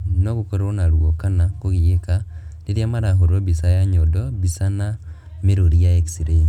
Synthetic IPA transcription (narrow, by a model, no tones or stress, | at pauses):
nokukoɾoonalwokanakuɣjekaliɾjamaɾaɦuɾoβisajaɲodoβisana | miɾoɾijaeksiɾeːnsi